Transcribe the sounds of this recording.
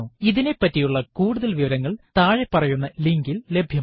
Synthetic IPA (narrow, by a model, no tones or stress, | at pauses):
uːiðine̞pːɐtːijuɭːɐkuːɽuðɐlʋiʋɐɾɐŋːɐɭt̪aːɻepːɐrɐjunːɐliŋɡille̞bʱjɐ